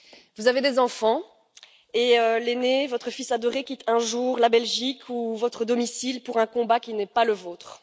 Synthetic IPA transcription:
vuzaved̪ezɑ̃fɑ̃ | eølenevɔt̪χəfisad̪ɔʁekʲit̪ʰɛ̃ʒuːʁlabɛlʒikʰuvɔt̪χəd̪ɔmisilpuʁɛ̃kɔ̃bakʲinɛpaləvoːt̪χ

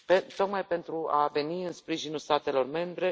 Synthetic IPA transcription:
pet̪o̞kmajpe̞nt̪ɾuave̞niɨnspɾiʒinulst̪at̪e̞lo̞rme̞mbɾe̞

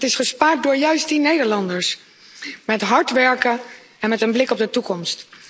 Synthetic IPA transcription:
tɪsχəspaːɹt̚dʊːɹjœɥstinejdəɹlɑndəɹs | mɛtɦɑɹtʋɛɹkə | ɛnmɛtənblɪkɔb̚dətukɔmst

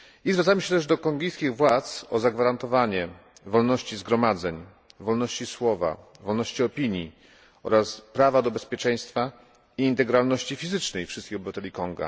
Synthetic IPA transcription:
izvɾat̪amɘɕɛt̪ɛʐd̪ɔkɔŋɡʲijskʲiɣvwat̪sɔzaɡvaɾant̪ɔvaɲɛvɔlnɔɕt͡ɕizɡɾɔmad̪zɛɲ | vɔlnɔɕt͡ɕiswɔva̰ | vɔlnɔɕt͡ɕiɔpʲiɲji | ɔ̰ɾaspɾavad̪ɔbɛspʲjɛt͡ʂɛj̃st̪fa | iːnt̪ɛɡɾalnɔɕt͡ɕifʲizɘt͡ʂnɛjfʂɘst̪kʲixɔbɘvat̪ɛlʲikɔŋɡa̰

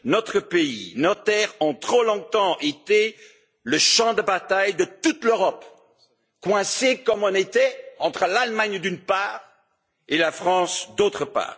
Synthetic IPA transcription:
nɔt̪χəpeḭnɔt̪ɛʁɑ̃t̪χolɔ̃t̪ɑ̃ʔet̪e | ləʃɑ̃d̪əbat̪ajd̪ət̪ut̪løʁɔp | kwɛ̃sekɔmɔ̃net̪ɛɑ̃t̪χəlalmaɲd̪ynpaːʁ | elafχɑ̃sd̪ot̪χəpa̰ːʁ

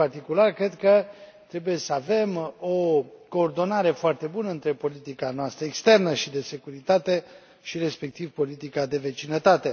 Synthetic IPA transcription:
part̪ikularkɾe̞d̪kət̪ɾe̞buje̞səave̞mo̞ko̞ːrd̪o̞naɾe̞foart̪e̞bunəɨnt̪ɾe̞po̞lit̪ikanoast̪ɾəekst̪e̞rnəʃid̪e̞se̞kuɾit̪at̪e̞ | ʃiɾe̞spe̞k̚t̪ivpo̞lit̪ikad̪e̞ve̞t͡ʃinət̪at̪e̞

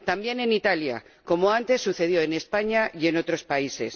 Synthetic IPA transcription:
t̪ambje̞ne̞nit̪alja̰ko̞moant̪e̞sːuθe̞ð̞jo̞ene̞spaɲaje̞no̞t̪ɾo̞spaise̞̰s

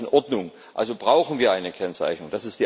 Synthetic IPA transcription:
nʔɔɐdnʊŋ | ʔʔa̰lzobʁaʊxn̩viːɐʔaɪnəkʰɛnt͡sa̰ɪçnʊŋd̥asɪstd̥iː

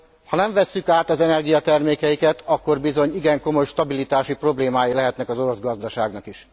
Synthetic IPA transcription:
hɒnɛɱvɛsːykaːt̪ɒzɛnɛrɡijɒt̪ɛrmeːkɛjikɛt̪ʰɒkːo̞rbizo̞ɲiɡɛŋko̞mo̞jʃt̪ɒbilit̪aːʃipro̞bleːmaːjilɛɦɛt̪nɛkɒzo̞ɾo̞zɡɒzd̪ɒʃaːɡnɒkiʃ

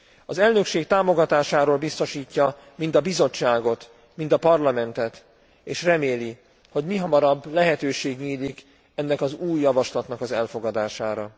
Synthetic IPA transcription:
ɒzɛlnø̞kʃeːkt̪aːmo̞ɡɒt̪aːʃaːɾoːlbist̪o̞ʃiːcːɒ | mind̪ɒbizo̞t͡ʃːaːɡo̞t̪ | mind̪ɒpɒrlɒmɛnt̪ɛt̪ | eːʃrɛmeːli | ho̞ɟmiɦɒmɒɾɒbːlɛɦɛt̪øːʃeːɡɲiːlik | ɛnːɛkɒzuːjːɒvɒʃlɒt̪nɒkɒzɛlfo̞ɡɒd̪aːʃaːɾɒ

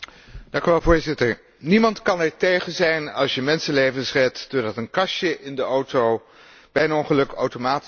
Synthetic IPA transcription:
d̥ɑ̃ŋkyʋɛlˠvʊːɹzɪtəɹ | nimɑntkɑnɛɹtejχənzɛjnɑ̰lˠsjəmɛnsənlejvənsrɛtd̥oɹdɑtənkɑʃjəʔɪndəʔowtow | b̥ɛjənɔŋχəlɵka̰wtomaːt

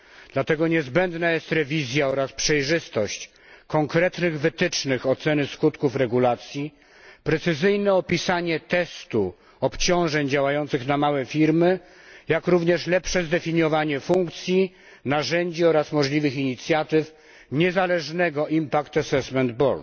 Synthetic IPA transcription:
d̪̥lat̪ɛɡɔɲɛzbɛnd̪najɛst̪ɾɛvʲizʲjaɔɾaspʂɛjʐɘst̪ɔɕt͡ɕ | kɔŋkɾɛt̪nɘɣvɘt̪ɘt͡ʂnɘxɔt̪sɛnɘskut̪kufɾɛɡulat̪sʲji | pɾɛt̪sɘzɘjnɛɔpʲisaɲɛt̪ɛst̪u | ɔpt͡ɕɔ̃w̃ʐɛɲd͡ʑawajɔnt̪sɘxnamawɛfʲiɾmɘ | jakɾuvɲɛʂlɛpʂɛzd̪ɛfʲiɲjɔvaɲɛfuŋkt̪sʲji | naʐɛɲd͡ʑiɔɾasmɔʐlʲivɘxiɲit̪sʲjat̪ɘf | ɲɛzalɛʐnɛɡɔʔimpakt̪asɛsmɛnd̪bɔl

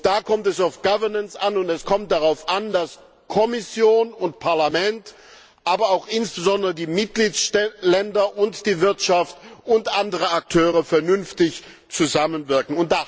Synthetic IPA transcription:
d̥aːkʰɔmtɛsaʊfɡ̥avɐnənsanʊntɛskʰɔmt̚d̥aʁaʊfʔandas | kʰɔmɪsjoːnʊntpʰaɐlamɛnt | ʔaːbɐaʊxʔɪnsb̥əzɔndəʁədiːmɪt̚ɡ̥liːtlɛndɐʔʊntd̥iːvɪɐtʃaftʔʊntʔandəʁ̞əak̚tʰøːʁ̞əfɛɐnʏnftɪç | t͡suzamənvɪɐkŋ̩ʊnt̚d̥a

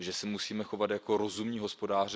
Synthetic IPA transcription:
ʒɛsɛmusiːmɛxo̞vat̪jakoɾo̞zumɲiːɦo̞spo̞daːr

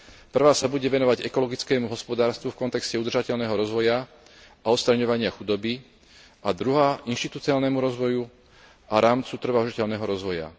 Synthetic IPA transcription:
pr̩ʋaːsabuɟɛʋɛnɔʋaɟɛkɔlɔɡit͡skɛːmuɦɔspɔd̪aːɾst̪ʋufkɔnt̪ɛkscɛud̪rʒacɛʎnɛːɦɔɾɔzʋɔja | aɔt̪st̪ɾaɲɔʋaɲɪaxud̪ɔbi | ʔad̪ɾuɦaːʔinʃt̪it̪ut͡siaːlnɛmuɾɔzʋɔju | aɾaːmt͡sut̪r̩ʋaʊʒicɛʎnɛɦɔɾɔzʋɔja̰

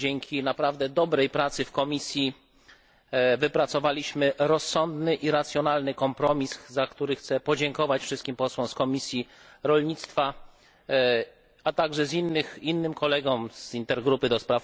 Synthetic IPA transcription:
d͡ʑɛŋkʲʰinapɾavd̪ɛd̪ɔbɾɛjpɾat̪sɘfkɔmʲisʲji | vɘpɾat̪sɔvalʲiɕmɘɾɔsːɔnd̪nɘʔiɾat̪sjɔnalnɘkɔmpɾɔmʲiszakt̪uɾɘxt̪sɛpɔd͡ʑɛŋkɔvat͡ɕfʂɘst̪̚kʲimpɔswɔ̃mskɔmʲisʲjiɾɔlɲit̪st̪fa | at̪aɡʐɛzinːɘxinːɘmkʰɔlɛɡɔmz̥int̪ɛɾɡɾupɘd̪ɔspɾaf

